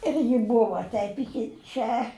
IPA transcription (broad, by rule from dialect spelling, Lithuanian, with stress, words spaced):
ɪr jɪ ˈbʊʋɐ ˈtʲɛɪp ɪˈkʲɪ ˈt͡ʃʲɛ